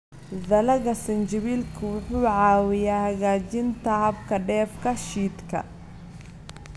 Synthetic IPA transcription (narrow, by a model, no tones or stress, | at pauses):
ðɐlɐɣɐsɐnt͡ʃɪβiːlkʰʊwʊħuːʕɑːwɪjaːhɐɣaːt͡ʃɪnt̪ʰɐhɐbkʰɐɖɛːfkʰɐʃiːd̪kʰɐ̰